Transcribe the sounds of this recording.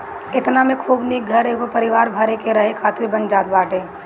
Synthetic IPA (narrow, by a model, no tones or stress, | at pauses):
ɪt̪namẽkʰuːbnik̚ɡʱɐɾeːɡopɐɾɪʋaːɾbʱɐɾekeɾɐɦekʰaːt̪ɾibɐ̃nd͡ʒaːt̪̚baːʈẽː